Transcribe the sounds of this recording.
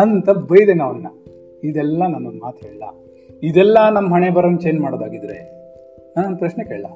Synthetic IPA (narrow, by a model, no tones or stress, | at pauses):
ɐnt̪ɐbɐjd̪enɐːʋɐnːɐ̰ | id̪ɛlːɐnɐmːɐmaːt̪ʰɦeːɭɐlɐ̰ | id̪ɛlːɐnɐmːɐɦɐɳebɐɾɐnt͡ʃejnmaːɽod̪aːɡid̪ɾḛ | pɾɐʃnekeːɭɐlɐ̰